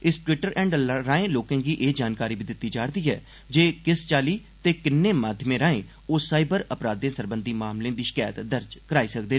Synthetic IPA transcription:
ɪsʈwɪʈəɾɛ̃ːɳɖɾaːẽːloːkẽːɡiːʔeːd͡ʒaːnkaːɾiːbiːd̪ɪt̪ːiːd͡ʒaːɽd̪iːɦɛ̰ː | d͡ʒeːkɪst͡ʃaːliː | t̪eːkɪnːeːmaːd̪ʱjəmẽːɾãːẽː | oːsaːɪbəɾəpɾaːd̪ẽːsəɾbənd̪iːmaːmlẽːd̪iːʃɪ̥kaːjət̪d̪əɾd͡ʒkəɾaːiːsək̚d̪eː

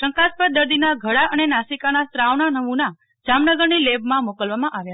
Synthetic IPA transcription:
ʃə̃ŋkaspəɾ̚d̪əɾd̪inaɡʱəɽaʔənenasikanast̪ɾaʋnanəmuna | d͡ʒamnəɡəɾnilebmãmokəlʋamãʔaʋja

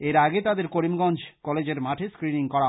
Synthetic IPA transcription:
eɾaɡet̪ad̪eɾkoɾimɡɔnd͡ʑkɔled͡ʑeɾmaʈʰeskɾiniŋkɔɽa

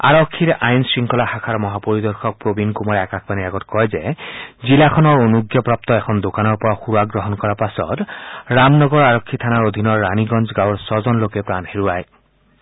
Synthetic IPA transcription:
a̰ɾɔkʰːiɾʔajnsɹiŋkɔlaxakʰaɾmɔɦapoɾid̪ɔɾxʰɔk̚pɾobinkumɔɾakakʰbaniaɡɔtkɔjzezilakʰɔnɔɹonuɡjɔpɾap̚t̪ɔekʰɔnd̪okanɔɹpɔɾaxuɾaɡɾɔɦɔnkɔɾapasɔ̰tɾamnɔɡɔɾaɾɔkʰːit̪ʰanaɹod̪ʱinɔɹːaniɡɔnd͡ʒɡawɔɹsɔzɔnlokepɾanheɾuaj

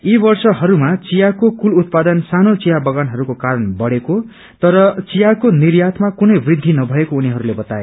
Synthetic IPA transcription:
ibʌrsʌɦʌɾumat͡sijakokulut̪̚pad̪ʌnsanot͡sijabʌɡanɦʌɾukokaɾʌnbʌɽeko | t̪ʌɾʌt͡sijakonirjat̪ʰmakunʌjbrid̪ʱːinʌbʱʌekouniɦʌɾulebʌt̪a̰ḛ

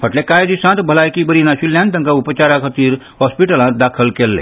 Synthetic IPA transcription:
pʰəʈlekaːjd͡ʒ̪isãːt̪ʰbʱəlaːjkibəɾinãsiljãnd̪ə̃ŋkaupət͡ʃaːɾakʰət̪iɾ | hɔːspiʈəlãd̪aːkʰəlkelːḛ

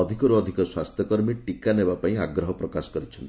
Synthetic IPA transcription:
ɔd̪ʱikɔɾuɔd̪ʱikɔswast̪ʰjɔkɔɾmiʈikanebapaĩaɡɾɔɦɔpɾɔkasɔ̥kɔɾit͡ʃʰɔnt̪

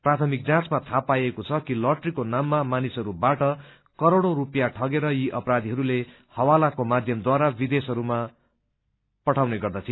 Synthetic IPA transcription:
prat̪ʰʌmik̚d͡zãt͡smat̪ʰapajekot͡sʰʌkilʌʈrikonamːamanisʌɾubaʈʌ | kʌɾoɽoɾupjaʈʰʌɡeɾʌjiʔʌpɾad̪iɦʌɾule | hʌwalakomad̪ʱjʌmd̪waɾabid̪esɦʌɾuma | pʌʈʰawneɡʌrd̪at̪ʰi

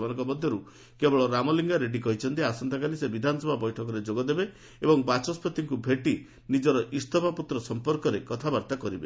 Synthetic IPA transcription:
manɔŋkɔbɔd̪ʱjɔɾu | kebɔɭɔɾamɔliŋɡaɾeɖikɔɦit͡ʃʰɔnt̪iasɔnt̪ak̬alisebid̪ʱanɔsɔbʱabɔjʈʰɔkɔɾed͡ʒoɡɔd̪ebe | ebɔŋbat͡ʃɔspʰɔt̪iŋkubʱeʈi | nid͡ʒɔɾɔʔist̪ʰɔpaput̪ɾɔsɔmpɔɾkɔɾekɔt̪ʰabaɾt̪akɔɾibe

